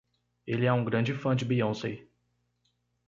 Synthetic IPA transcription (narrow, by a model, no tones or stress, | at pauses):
elɪɛũɡɾɐ̃d͡ʒɪfɐ̃d͡ʒɪbiõsej